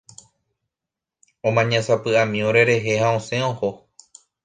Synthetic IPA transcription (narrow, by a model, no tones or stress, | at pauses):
õ̞mãɲãsapɨamĩoɾe̞ɾe̞ɦe̞haõsẽ̞õho